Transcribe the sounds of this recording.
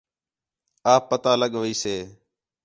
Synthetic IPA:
aːpːət̪aːləɠʋiːseː

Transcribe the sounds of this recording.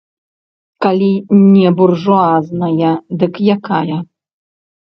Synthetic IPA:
kalʲinʲɛburʐuaznɐjɐd̪ɨkjakajɐ

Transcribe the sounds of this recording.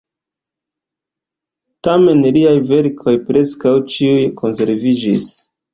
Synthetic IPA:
tame̞nliajve̞ɾkʰo̞jpɾe̞skawt͡ʃiujkʰo̞nse̞ɾvid͡ʒis

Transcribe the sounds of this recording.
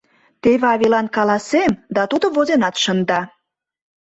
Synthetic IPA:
t̪eβeɑβilɑnkɑlɑsemd̪ɑt̪ud̪ovozenɑt̪ʃənd̪ɑ

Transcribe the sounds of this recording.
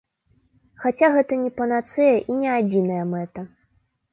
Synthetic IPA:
xat͡sʲaɣɛt̪ɐnʲɛpɐnat̪sɨjɐʔinʲɛad͡zʲinɐjɐmɛt̪ɐ

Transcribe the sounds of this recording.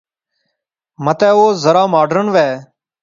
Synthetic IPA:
mət̪ɛːoːzəɾaːmaːɖɾəɳʋɛː

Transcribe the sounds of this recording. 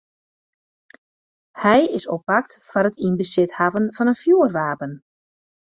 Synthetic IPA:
hɛjɪsɔpːak̚tfanətinbəsɪthavənv̥ɑnənfjuərʋaːpən

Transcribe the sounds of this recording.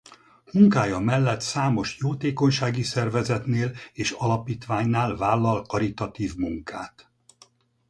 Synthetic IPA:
muŋkaːjɒmɛlːɛt̪saːmo̞ʃjoːt̪eːko̞ɲʃaːɡisɛrvɛzɛt̪neːleːʃɒlɒpiːt̪ʋaːɲnaːlvaːlːɒlkɒɾit̪ɒt̪iːvmuŋka̰ːt̪

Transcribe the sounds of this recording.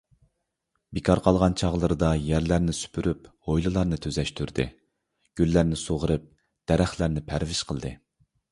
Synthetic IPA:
bekʰɑɾqʰɑlˠʁɑnt͡ʃʰɑʁlˠəɾɨd̪ɑjæɾlæɾnɪsy̥pʰyɾʔyphojlˠɨlˠɑɾnɨt̪ʰøzɛʃt̪ʰyɾd̪ɨ̰ | ɡ̥ʲylːæɾnɪsoʁəɾɨp̚ | d̪̥ɛɾæχlæɾnɪpʰæɾvɪʃqʰəlˠd̪ɨ̰

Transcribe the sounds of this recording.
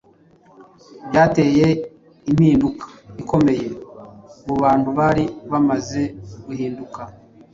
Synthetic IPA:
bjɟaːte̞ːje̞ | imiːndukʰḁiko̞me̞je̞ | muβaːnhuβaɾiβamaze̞ɡ̥uhiːnduka

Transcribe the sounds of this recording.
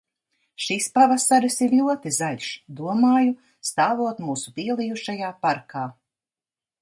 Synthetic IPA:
ʃispavasaɾisiɾʎʲuɔt̪izaʎʲʃd̪uɔmaːju | st̪aːvuɔt̪muːsupiɛlˠijuʃajaːpaɾkʰaː

